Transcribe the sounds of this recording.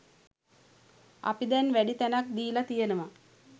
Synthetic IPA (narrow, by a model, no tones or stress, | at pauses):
a̰pid̪ɛnʋæɖit̪ænak̚d̪iːlat̪ijənəmə